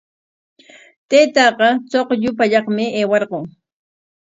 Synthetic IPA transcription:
t̪ejt̪ɑqɑt͡soqʎʊpaʎɑχmɪeːwɑɾɢoŋ

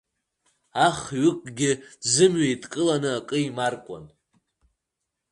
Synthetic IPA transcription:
aχɥɪkʼɡʲɪdzɨmɥejtʼkʼɨlanɨakʼɨimarkʷʼa̰n

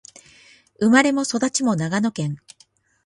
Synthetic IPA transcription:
ɯmaɾe̞mo̞so̞d̪at͡ɕimo̞naɡano̞kẽ̞ŋ

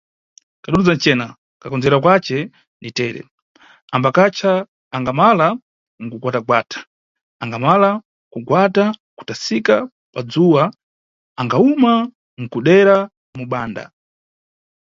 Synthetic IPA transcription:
kaɗuɾud͡zant͡ʃɛːna | kakɔnd͡zɛɾak̬wat͡ʃɛ | nitɛːɾɛ̰ | ambakat͡ʃʰaː | ŋɡamala | ŋ̩kuɡwataɡwatʰḁ | aŋɡamala | kuɡwataku̥tasika | pad͡zuwa | aŋɡauma | ŋ̩kuɗɛɾa | muɓaːnda̰

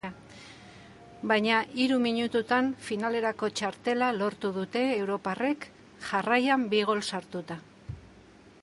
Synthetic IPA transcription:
bajɲaʔiɾumiɲut̪ut̪anfinale̞ɾako̞t͡ʃaɾt̪e̞lalo̞ɾt̪uðut̪e̞ːwɾo̞pare̞k | ʝarajambiɣ̞o̞lsaɾt̪ut̪a

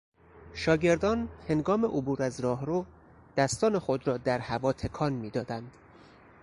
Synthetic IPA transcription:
ʃɒːɟe̞ɾd̪ɒːnhe̞ŋɡɒːme̞ʔobuːɾæzɾɒːɦɾoː | d̪̥æst̪ɒːne̞xo̞d̪ɾɒːd̪æɾhævɒːt̪ʰe̞kʰɒːnmiːd̪ɒːd̪ænd̪̥

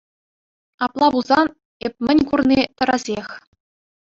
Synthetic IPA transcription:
ɑplˠɑbuzɑn | ep̚ʲmʲɘ̆nʲkurnʲit̪ɤ̆ɾɑzʲexʲ

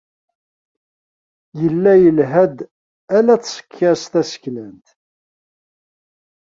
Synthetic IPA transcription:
jəlːæjəlɦæd̪ | ælæt͡sːsə̥kʰːæst̪æsə̥çlənt̪

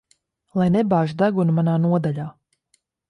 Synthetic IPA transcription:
lˠajnebaːʒud̪aɡunumanaːnuɔd̪aʎʲaː

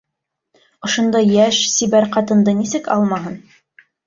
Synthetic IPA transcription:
ŏʃŏnd̪ɑjːæʃsiβæɾqɑt̪ɤ̆nd̪ɤnisɘkɑ̰lˠmɑɦɤn

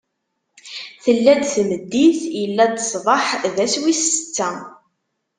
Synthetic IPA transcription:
θəlːæd̪θməd̪ːiθjəlːæd̪sˤðˤɑħðæswisə̥t͡sːæ

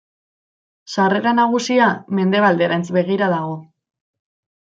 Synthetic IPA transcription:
sare̞ɾanaɣ̞usiame̞nd̪e̞βald̪eɾant͡sbe̞ɣiɾaðaɣo̞

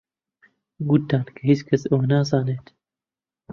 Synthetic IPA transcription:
ɡut̪ːaːnkʰɐɦit͡ʃkʰɐsɐwnaːzaːneːt̪

